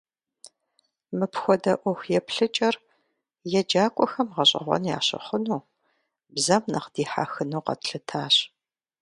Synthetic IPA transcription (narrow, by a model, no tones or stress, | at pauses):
mɨpxʷɔdɐʔʷɔxʷjɛpɬɨt͡ʃʼɐr | jɛd͡ʒaːkʷʼɔxɐmʁɐɕʼɐ̰ʁʷɔ̰nja̰ːɕɪ̰χʷʊnuː | bzɐmnɐqd̥iːħa̰ːxɨnuːqɐ̰tɬɨtʰaːɕ